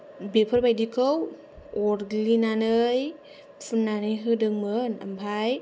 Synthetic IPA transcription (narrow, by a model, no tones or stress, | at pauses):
bepʰəɾbajdikʰɯw | ɔɾɡlinanɯj | pʰunːanɯjɦɯdɯŋmɯna̰mbʰaj